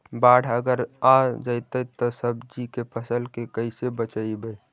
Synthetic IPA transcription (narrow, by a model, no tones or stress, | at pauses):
baːɽ̤əɡəɾãd͡ʒəɪt̪əjt̪osəbd͡ʒikepʰəsəlkekəɪsebət͡ʃəibəj